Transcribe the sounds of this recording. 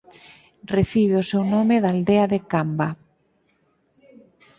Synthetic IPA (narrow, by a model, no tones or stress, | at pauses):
reθiβ̞eosewnomeðald̪eaðekamba